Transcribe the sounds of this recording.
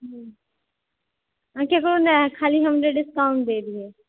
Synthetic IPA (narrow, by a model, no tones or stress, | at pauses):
ɦ | ãkekɾonɛkʰaːliɦɐmɾeɖɪskaʊ̃ɳd̪eːd̪ieː